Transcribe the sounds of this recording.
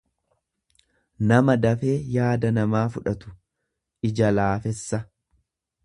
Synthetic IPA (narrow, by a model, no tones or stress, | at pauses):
nɐmɐd̪ɐfe̞ːjaːd̪ɐnɐmaːfʊᶑɐt̪ʊ̥ | ʔɪd͡ʒɐlaːfɛsːɐ